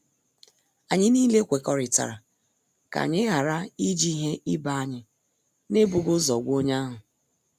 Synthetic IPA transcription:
a˨ɲɪ˦ni˦le˦kʷe˨kɔ˨ɾɪ˨ta̰˨ɾa˨ | ka̰˨ɲɪ˦ɦa˨ɾa˦i˦d͡ʒi˦ɦe˦ʔɪ˦ba˨a˦ɲɪ˨ | ne˦bʊ˨ɡʊ˦zɔ˨ɡʷo˦ɲa˦ɦʊ˨

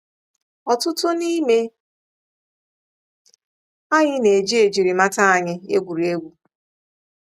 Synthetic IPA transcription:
ɔ˨tʊ˦tʊ˦ni˦me˦ | a˦ɲɪ˦ne˨d͡ʒi˦e˨d͡ʒi˨ɾi˨ma˦ta˦a˨ɲɪ˦ḛ˦ɡʷu˨ɾi˨e˦ɡʷu˦

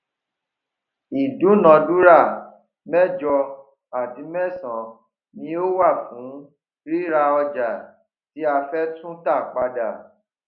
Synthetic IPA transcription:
i˨dũ˨˦nã˨du˦ɾa˦˨ | mɛ̃˦˨d͡ʒɔ˧ | a˨ti˨˦mɛ̃˦˨sã˨ | nĩ˧˦o˦wa˦˨fũ˨˦ | ɾi˦ɾa˧ɔ˧d͡ʒa˨ | ti˨˦a˧fɛ˦tũ˦ta˦˨k͡pa˧da˨

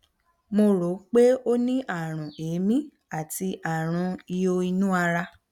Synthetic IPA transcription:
mo˧ɾo˨˦k͡pe˦o˦nĩ˦ʔa˦˨ɾ̃ũ˨eː˨˦mĩ˦ | a˦˨ti˧ʔa˨ɾ̃ũ˧i˧jo˧i˧nũ˦a˧ɾa˧

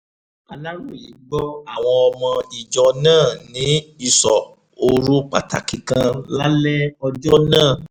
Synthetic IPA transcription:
a˧la˦ɾu˦˨ji˨˦ɡ͡bɔ˦a˦˨w̃ɔ̃˧ɔ˧mã˧i˨d͡ʒɔ˨˧nãː˦˨nĩ˨˦i˧sɔ˨ | o˧ɾu˦k͡pa̰˨ta̰˨kĩ˨kã˧la˦lɛ˦ɔ˧d͡ʒɔ˦nãː˦˨

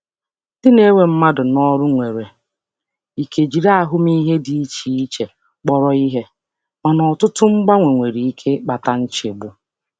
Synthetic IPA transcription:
d̥ɪ˦ne˦we˨m̩˦ma˦dʊ˨nɔ˦ɾʊ˦ŋʷe˨ɾe˨ | i˨kʰe˨d͡ʒi˨ɾa˦a˦˨ɦʊ˦mi˦ɦe˦di˨i˦t͡ʃi˨i˦t͡ʃe˨ | k͡pɔ˦ɾɔ˦i˦ɦe˦ | ma˨nɔ˨tʊ˦tʊ˦ŋ͡m̩˦ɡ͡ba˦ŋʷe˨ŋʷe˨ɾi˨i˦kʰe˦k͡pa˨ta˦n̩˦t͡ʃe˨bʊ˨

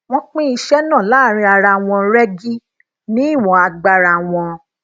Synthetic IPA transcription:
w̃ɔ̃˧k͡pĩ˦i˧ʃɛ˦nã˦˨laː˦˨ɾ̃ĩ˧a˧ɾa˧w̃ɔ̃˧ɾɛ˦ɡi˦ | nĩ˦i˦˨w̃ɔ̃˨˧a˧ɡ͡ba˧ɾa˧˨w̃ɔ̃˧

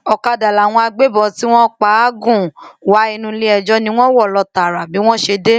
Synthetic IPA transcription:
ɔ˨ka˧da˨la˨w̃ɔ̃˧a˧ɡ͡be˦bɔ˨ti˦w̃ɔ̃˦k͡pa˨˦ɡũ˦˨wa˨˦i˧nũ˧li˦ɛ˧d͡ʒɔ˨˦nĩ˧˦w̃ɔ̃˦wɔ˦˨lɔ˧ta˨ɾa˨bi˨˦w̃ɔ̃˦ʃe˧de˦

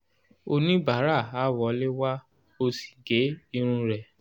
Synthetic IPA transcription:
o˧nĩ˦ba˨˦ɾa˦˨a˨˦wɔ˨˦le˦wa˦ | o˧si̥˨ɡe˨˦i˧ɾ̃ũ˧ɾɛ˨

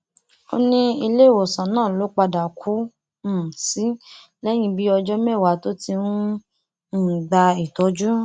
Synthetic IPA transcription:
o̰˦nĩ˦i˧le˦˨wo˨sã˨nãː˦˨lo˨˦k͡pa˧da˨kʰu˨˦˨ | si˦ | lɛ˦j̃ĩ˧bi˦ɔ˧d͡ʒɔ˦mɛ˦˨wa˨˦to˦ti˧nũ˦ | n̩˦˨ɡ͡ba˧i˨tɔ˨˦d͡ʒu˦

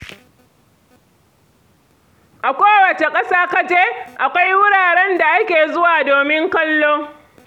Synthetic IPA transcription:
ʔa˨kʷoː˦wɐ˨t͡ʃe˨kʼɐ˦saː˦ka˦d͡ʒeː˦ʔa˨kʷa˦jwʊ˦ɽaː˨ɽɛ˦nda˨ʔa˦kʲeː˨zʊ˦waː˨doː˨mɪ˦ŋkɐ˦lːoː˦

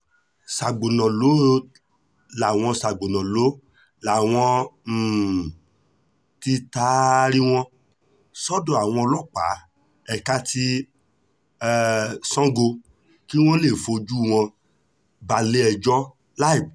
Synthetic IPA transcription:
sa˨ɡ͡bo˨nã˨lo˨˦ | la˨w̃ɔ̃˧sa˨ɡ͡bo˨nã˨lo˨˦ | la˨w̃ɔ̃˧˨ | ti˧ta˦ɾi˦w̃ɔ̃˧ | sɔ˦dɔ̃˧˨a˨w̃ɔ̃˧ɔ˧lɔ˦k͡pa̰˨˦ | ɛ˧ka˦tʰi˦˧ | sɔ̃˦ɡo˧ | ki˦w̃ɔ̃˦le˦˨fo˧d͡ʒu˦˨w̃ɔ̃˧ | ba˧le˦ɛ˧d͡ʒɔ˦ | la˦i˨b

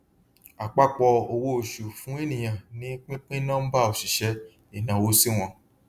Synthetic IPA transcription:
a˨k͡pa˦k͡pɔ˧o˧wo˦o˧ʃu˨fũ˨˦e˦nĩ˨j̃ã˨nĩ˨˦k͡pĩ˦k͡pĩ˦nã˦m̩˦ba˦˨o˨ʃi˨ʃɛ˧˦ | i˨nã˨wo˦si˦w̃ɔ̃˧

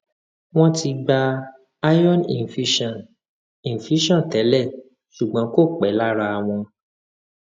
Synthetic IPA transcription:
w̃ɔ̃˦ti˧ɡ͡ba˧ | a˦jɔ˦˨nḭ̃˨fi˨˦ʃɔ̃˨n | ĩ˨n̩˨fi˨˦ʃɔ̃˦˨n˨tɛ˨˦lɛ˦˨ | ʃu˨ɡ͡bɔ̃˨˦ko˦˨k͡pɛ˨˦la˦ɾa˧w̃ɔ̃˧

